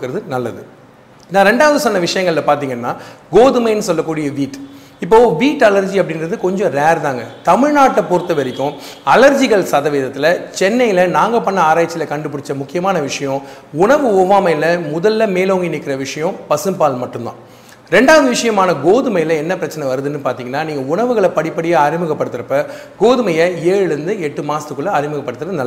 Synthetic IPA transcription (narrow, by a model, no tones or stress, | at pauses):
ɯkːɯɾɐðɯnɐlːɐðɯ | naːɾɛɳɖaːʋɐðɯsɔnːɐʋɪʂɐjɐŋɡɐɭlɐpaːɾt̪iːŋɡɐnːaːɡoːðɯmɐɪnːɯsɔlːɐkːuːɽɪjɐʋiːʈː | ɪpːoːʋiːʈːɐlɐɾd͡ʒiɐpːɐɽɪnrɐðɯkɔɲd͡ʒɔ̃ɾeːɾðaːŋɡɐt̪ɐmɪɻnaːʈːɐpɔɾɯt̪ːɐʋɐɾɪkːʊ̃ | ɐlɐɾd͡ʒɪɣɐɭsɐðɐʋeːðɐt̪ːɪlɐt͡ʃɛnːɐjlɐnaːŋɡɐpɐnːɐaːɾaːjɐt͡ʃːɪlɐkɐɳɖɯp̬ːʊɽɪt͡ʃːɐmʊkːɪjɐmaːnɐʋɪʂɐjɔ̃ | ʊɳɐʋɯoːʋaːmɐjlɐmʊðɐlːɐmeːloːŋɡinɪkːɪɾɐʋɪʂɐjɔ̃pɐsɯmpaːlmɐʈːɯmd̪ã̰ː | ɾɛɳɖaːɐðɯʋɪʂɐjɐmaːnɐɡoːðɯmɐjɪlɐɛnːɐpɪɾɐt͡ʃːɐnɐʋɐɾɯðɯnːɯpaːɾt̪iːŋɡɐnːaːniːŋɡɐʊɳɐʋɯɣɐɭɐpɐɽɪpːɐɽɪjaːɐɾɪmɯɣɐpːɐɽɯt̪ːɯɾɐpːɐ | ɡoːðɯmɐjɐeːɻɯɾɯnd̪ɯɛʈːɯmaːst̪ɯkːɯɭːɐɐɾɪmɯɣɐpːɐɽɯt̪ːɯɾɐðɯnɐlːɐ